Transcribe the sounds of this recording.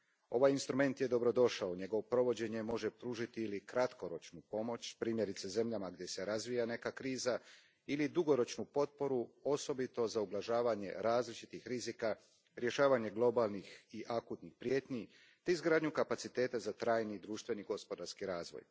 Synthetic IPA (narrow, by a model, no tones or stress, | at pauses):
o̞ʋajinst̪ɾume̞nt̪je̞d̪o̞bɾo̞d̪o̞ʃaoɲe̞ɡoʋopɾo̞ʋo̞d͡ʑe̞ɲe̞mo̞ʒe̞pɾuːʒit̪iːlikɾat̪ko̞ɾo̞t͡ʃnupo̞mo̞t͡ɕpɾiːmje̞ɾit̪seze̞mʎamaɡd̪je̞se̞ɾazʋijane̞kakɾiːza | ilid̪uɡo̞ɾo̞t͡ʃnupo̞t̪̚po̞ɾuo̞so̞bit̪o̞zaublˠaʒaːʋaɲe̞̰ɾaːzlit͡ʃit̪ixɾizika | ɾje̞ʃaːʋaɲe̞ɡlˠo̞balˠnixiʔakut̪nixpɾje̞ːt̪ɲi | t̪e̞izɡɾaːd̪ɲukapatsit̪e̞ːt̪azat̪ɾaːjnid̪ɾuːʃt̪ʋe̞niɡo̞spo̞d̪aɾskiɾaːzʋo̰j